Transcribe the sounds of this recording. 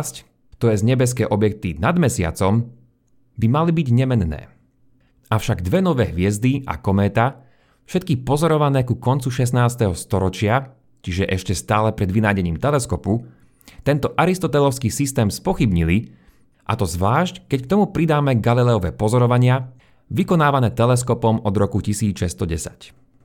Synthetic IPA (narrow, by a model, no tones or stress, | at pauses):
sc | t̪ɔjɛzɲɛbɛs̬kɛːʔɔbjɛk̚t̪inad̪mɛsɪa̰t͡sɔm | bimalibiɟɲɛmɛnnɛ̰ː | aʊʃaɡd̪ʋɛnɔʋɛːɦʋɪɛzd̪ia̰kɔmɛːt̪a | fʃɛt̪kipɔzɔɾɔʋanɛːkukɔnt͡suʃɛsnaːst̪ɛɦɔst̪ɔɾɔt͡ʃɪa | t͡ʃiʒɛʔɛʃcɛst̪aːlɛpɾɛd̪ʋinaːɟɛɲiːmt̪ɛlɛskɔpu | t̪ɛnt̪ɔʔaɾist̪ɔt̪ɛlɔʊskiːsist̪ɛːmspɔxibɲili | ʔa̰t̪ɔzʋlaːʃckɛckt̪ɔmupɾid̪aːmɛɡalilɛɔʋɛːpɔzɔɾɔʋaɲɪa | ʋikɔnaːʋanɛːt̪ɛlɛs̬kɔpɔmɔd̪ɾɔkucisiːt͡sʃɛst̪ɔɟɛsḁc